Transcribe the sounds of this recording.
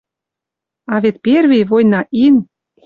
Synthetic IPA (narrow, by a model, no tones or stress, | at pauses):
ɑβet̪̚perβiβojnɑʔin